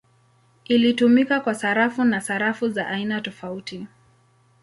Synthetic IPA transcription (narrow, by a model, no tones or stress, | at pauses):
ilitumikakwasaɾafunasaɾafuzaʔainatɔfauti